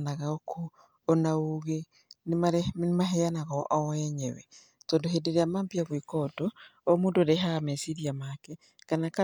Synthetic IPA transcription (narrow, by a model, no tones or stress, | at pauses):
naɣaokʰoː | nauɣe | nemaɾenmaɦeanaɣɔʔɔɛɲɛwɛ | tɔːndoɦeːndeɾeamaːmbiaɣwikɔtoomuːndoɾeɦamɛsiɾiamakɛ | kanaka